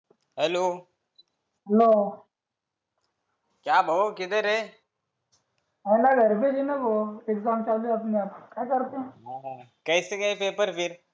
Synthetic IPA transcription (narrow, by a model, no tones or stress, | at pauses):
ɦɛloː | ɦɛloː | kjaːbʱɐokɪd̪əɾɦe | ɛlaɡʱɐɾbed͡ʒinaʋoːekzaːmt͡ʃaːliɐp̬neaːpkjakɐɾt̪eɦɛ̃ːɦkɛːsekɐipeːpəɾpʰɪɾ